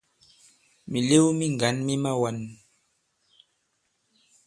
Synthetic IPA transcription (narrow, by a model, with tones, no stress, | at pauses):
mi˨le˦wmi˦ŋ˨ɡa˨˦nmi˦ma˦wa˨n